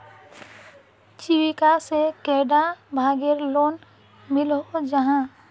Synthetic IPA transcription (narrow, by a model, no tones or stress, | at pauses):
t͡ʃɪwikasekeːɖabʱaːɡeɾloːn | mɪlɦod͡ʒəɦã